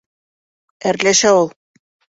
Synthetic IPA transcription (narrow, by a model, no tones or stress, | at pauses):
æɾlæʃæulˠ